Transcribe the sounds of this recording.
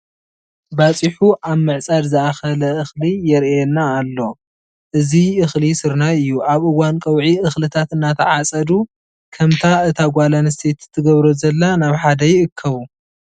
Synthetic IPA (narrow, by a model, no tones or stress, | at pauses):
bat͡sʼiħuʔaβmɨʕt͡sʼad̪zɨaxɐlɐʔɨxlijɛɾɛnːaːlːo̞ | ʔɨziʔɨxlisɨɾnaɨjːuʔaβʔɨwankʼɐwʕiʔɨxlɨt̪ʰat̪ɨnːat̪ʰɐʕat͡sʼɐd̪u | kʰɐmt̪ʰaɨt̪ʰaɡʷalanst̪ʰet̪zɨt̪ʰːɨɡɐβɾozɐlːanaβħad̪ɐjɨkʰːɐβu